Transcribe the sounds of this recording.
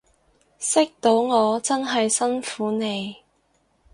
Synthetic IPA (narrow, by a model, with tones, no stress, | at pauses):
sɪ˥k̚t̪o˨˧˥wŋɔː˨˧t͡sɐ˥nɦɐ˨jsɐ˥nfuː˨˥ne˨˧j